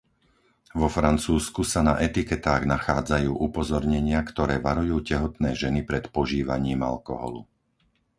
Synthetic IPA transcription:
ʋɔfɾant͡suːskusanaʔɛt̪ikɛt̪aːɣnaxaːd͡zajuːʔupɔzɔɾɲɛɲɪakt̪ɔɾɛːʋaɾujuːcɛɦɔt̪nɛːʒɛnipɾɛt̪pɔʒiːʋa̰ɲiːma̰lkɔ̰ɦɔ̰lṵ

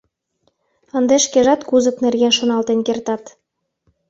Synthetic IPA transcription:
ɤnd̪eʃkeʒɑt̪kuzə̆knerɣenʃonɑlt̪enkert̪ɑt̪

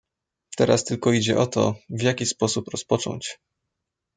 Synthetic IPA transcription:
t̪ɛɾast̪ɘlkɔid͡ʑɛʔɔt̪ɔ̰vʲjakʲispɔsupɾɔspɔt͡ʂɔ̰ɲt͡ɕ

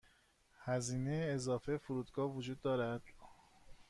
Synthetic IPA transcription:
hæziːnejeːzɒːfejfuɾuːd̪ɡɒːhvod͡ʒuːd̪ːɒːɾæd̪̥

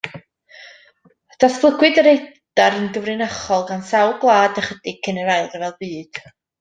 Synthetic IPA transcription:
d̥asklˠəɡwɨdəɾejd̥aɾənɡəvrɨnaχɔlˠɡansawlˠɡlˠaːdəχədɪkʰənəɾajlˠrvɛlˠbɨːd̥

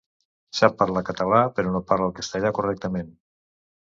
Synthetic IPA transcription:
sapːaɾlakət̪əlapəɾonopaɾləlˠkəst̪aʎakurɛk̚t̪əmen

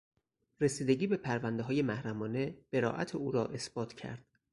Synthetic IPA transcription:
ɾesiːd̪e̞ɟiːbe̞pʰæɾvænd̪eɦɒːje̞mæhɾæmɒːne̞b̥e̞ɾɒ̰ːʔæ̰t̪ʰeuːɾɒːʔe̞sb̥ɒːt̪ʰcʰæ̰ɾd̪̥

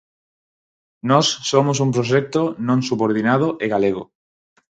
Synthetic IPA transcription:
nɔsːomos̬umpɾoʃɛk̚t̪onõŋsuβoɾð̞inað̞oʔeɣaleɣo̰

